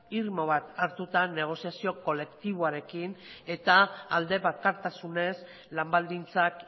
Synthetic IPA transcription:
iɾmoβat̪aɾt̪ut̪ane̞ɣ̞o̞siasio̞ko̞le̞kt̪iβ̞oaɾe̞kine̞t̪aald̪e̞βakaɾt̪asune̞s | lambald̪int͡sak

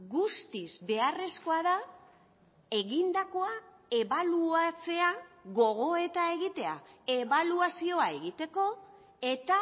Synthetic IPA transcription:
ɡust̪izβe̞are̞sko̞aða | e̞ɣind̪ako̞a | e̞βaluat͡se̞aɣo̞ɣ̞o̞e̞t̪ae̞ɣit̪e̞a̰e̞βaluasio̞ae̞ɣit̪e̞ko̞ | e̞t̪a

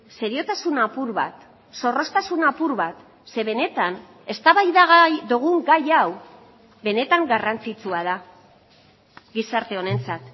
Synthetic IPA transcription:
se̞ɾio̞t̪asunapuɾβa̰t̪ | so̞ro̞st̪asunapuɾβat̪ | se̞βe̞ne̞t̪an | e̞st̪aβajðaɣajðoɣ̞uŋɡajaw | be̞ne̞t̪aŋɡarant͡sit͡suaða | ɡisaɾt̪e̞o̞ne̞nt͡sat̪

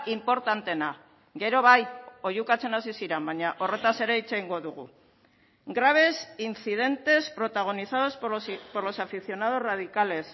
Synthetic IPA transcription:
impo̞ɾt̪ant̪e̞na | ɡe̞ɾo̞βajo̞jukat͡se̞nasisiɾambaɲaʔo̞re̞t̪ase̞ɾe̞it͡seiŋɡo̞ðuɣ̞ṵ | ɡɾaβ̞e̞sinθið̞e̞nt̪e̞spɾo̞t̪aɣ̞o̞niθað̞o̞sppoɾlo̞safiθjo̞nað̞o̞zrað̞ikale̞s

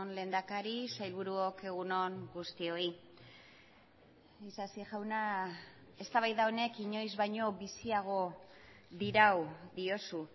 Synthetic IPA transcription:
nle̞nd̪akaɾisajlβuɾuoke̞ɣ̞unoŋɡust̪io̞i | isasiʝawna | e̞st̪aβajðaone̞kiɲo̞jzβajɲo̞βisiaɣ̞o̞ | ðiɾawðio̞su

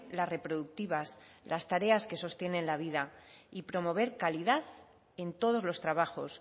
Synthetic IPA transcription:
lasre̞pɾo̞ðuk̚t̪iβaslʔast̪aɾe̞aske̞so̞st̪je̞nẽ̞nlaβiðaipɾo̞mo̞β̞e̞ɾkaliðaθ | e̞nt̪o̞ð̞o̞zlo̞st̪ɾaβ̞axo̞s

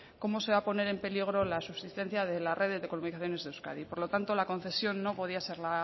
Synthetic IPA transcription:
ko̞mo̞se̞β̞apo̞ne̞ɾe̞mpe̞liɣ̞ɾo̞lasuβsist̪e̞n̟θjaðe̞larʔe̞ðezðe̞kolunikaθjo̞ne̞zðewska̰ðipo̞ɾlo̞t̪ant̪o̞lako̞nθe̞sjo̞nːo̞po̞ðiase̞ɾla

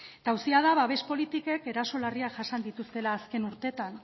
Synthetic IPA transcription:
t̪awsiað̞aβaβe̞spo̞lit̪ike̞ke̞ɾaso̞lariaʝasand̪it̪ust̪e̞laːske̞nuɾt̪e̞t̪an

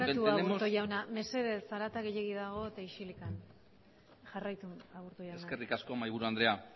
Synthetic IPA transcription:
at̪uaɣeɾt̪oʝawname̞se̞ðe̞saɾat̪aɣe̞ʎeɣ̞iðaɣ̞o̞et̪aiʃilikan | ʝarajt̪uaɣuɾt̪ojasnakerikasko̞majβuɾuand̪ɾe̞a

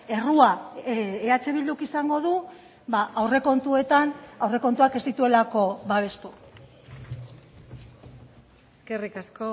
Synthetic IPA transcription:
e̞rua | eat͡ʃe̞βild̪ukisaŋɡo̞ð̞u | baʔawre̞ko̞nt̪ue̞t̪anawre̞ko̞nt̪uake̞zd̪it̪ue̞lako̞βaβ̞e̞st̪u | eske̞rikasko

